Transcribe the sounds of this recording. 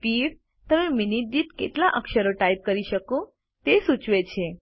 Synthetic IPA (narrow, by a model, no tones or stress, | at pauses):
piɾ | t̪əmeminiʈ̚d̪it̪kḛʈlaʔəkʃəɾoʈaip̚kəɾiʃəko | t̪esut͡ʃʋet͡ʃʰe